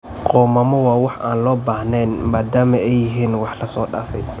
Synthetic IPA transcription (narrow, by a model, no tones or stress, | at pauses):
qɔːmɐmɔwɑːwɑħʔa̰ːnlɔːbaːhnɛnmaːd̪aːmɐɛjːɪɦiːnwɑħlɐsɔːɖa̰ːfɛ̰j